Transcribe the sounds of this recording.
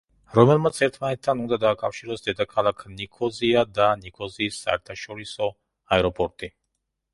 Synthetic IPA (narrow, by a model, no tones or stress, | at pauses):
ɾɔmɛlˠmat̪sʰɛɾt̪ʰmanɛt̪ʰːanund̪ad̪aːkʼafʃiɾɔsd̪ɛd̪akʰalˠakʰnikʰɔziad̪anikʰɔziːsːa̰ɛ̰ɾt̪ʰaʃɔɾisɔ | aɛɾɔpʼɔɾt̪ʼi